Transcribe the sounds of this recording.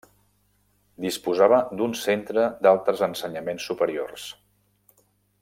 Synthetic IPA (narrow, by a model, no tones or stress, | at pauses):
d̪ispuzaβəd̪unsent̪ɾəd̪alˠt̪ɾəzənsəɲəmensːupəɾio̰rs